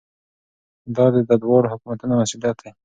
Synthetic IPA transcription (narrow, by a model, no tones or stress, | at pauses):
d̪ɑd̪əd̪ad̪wɑɽohʊkumat̪unamasulat̪̚d̪e